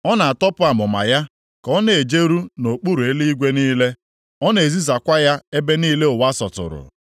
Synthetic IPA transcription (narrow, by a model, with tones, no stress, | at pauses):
ɔ˦na˨a˨tɔ˦pʊ˦a˨mʊ˨ma̰˨ja˦ | kɔ˦ne˨e˨d͡ʒe˦ɾu˦no˨k͡pu˦ɾu˨e˦li˦ɡʷe˦niː˦le˦ | ɔ˦ne˨zi˦za˨kʷa˦ja˦e˦be˦niː˦le˦ʊ˨wa˦sɔ˨tʊ̰˨ɾʊ̰˨